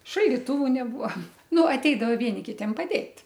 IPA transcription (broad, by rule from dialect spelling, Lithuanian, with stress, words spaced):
ʃɐlʲdʲɪˈtʊʋʊ nʲɛˈbʊɐ ˈnʊ ɐˈtʲɛɪdɐʋɐ ˈʋʲiɛnʲɪ ˈkʲɪtʲiɛm pɐˈdʲeːtʲ